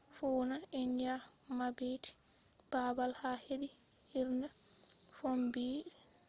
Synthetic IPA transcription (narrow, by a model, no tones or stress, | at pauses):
fuːnanendijamabeːti̥b̥abalhahedihiɾnɛfombiː